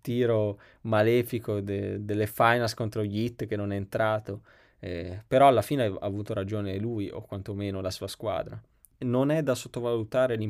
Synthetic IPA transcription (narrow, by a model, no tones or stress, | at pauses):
t̪iːɾo | malɛːfikod̪ed̪elːefajnalskont̪ɾoʎit̪ːk̟enːonɛent̪ɾaːt̪o | ɛpeɾɔalːafiːneaa̰ːvuːt̪oɾad͡ʒoːnelujʔo̰kːwant̪omeːnolasuːaskwa̰ːd̪ɾa | nonɛd̪asot̪ːovalut̪aːɾelim